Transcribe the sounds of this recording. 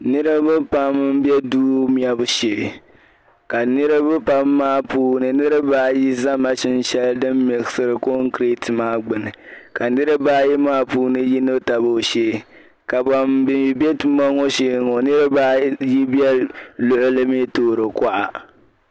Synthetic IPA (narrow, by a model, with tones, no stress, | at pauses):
nɨ˦ɾɨ˦bɨ˦pa˦m˦m̩˦bjɛ˦duː˦mi˦ɛ˦bʊ˨ʃe˨ | ka˨nɨ˦ɾɨ˦bɨ˦pa˦mːaː˦puː˦nɨ˨nɨ˦ɾɨ˦baː˦ji˦za˦ma˦ʃɪ˦n˦ʃɛ˦ldɨ˦mːɪ˨ɣɨ˨˦sɨ˦ɾɨ˨ko˦ŋ˦kɾe˦tʰɨ˨maː˦ɡ͡bɨ˨nɨ˨ka˨nɨ˦ɾɨ˦baː˦ji˦maː˦puː˦nɨ˦ji˦no˦ta˨bo˦˨ʃeː˦ | ka˨ba˨mbɪ˨mi˨bɛ˦tu˦ma˦ŋɔ˦ʃeː˦ŋo˨nɨ˦ɾɨ˦baː˦ji˦bjɛ˦lʊ˦ʔʊ˦lɨ˦me˦toː˦˨ɾɨ˨ka˦ʔa˨